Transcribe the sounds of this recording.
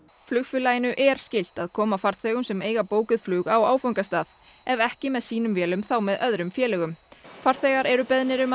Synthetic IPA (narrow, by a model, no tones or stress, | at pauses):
flʏːɣfʏlajɪnʏʔɛɾ̥scɪl̥t̪aðkʰɔːmafaɾ̥θɛːɣʏmsɛmeːjɣapoːwkʏðflʏːɣawaːwfowŋkast̪aːð | ɛvɛhcɪmɛðsiːnʏmvjɛːlʏmθawmɛðœðɾʏmfjɛːlɛɣʏmfaɾ̥θɛɣaɾɛɾʏpɛðnɪɾʏma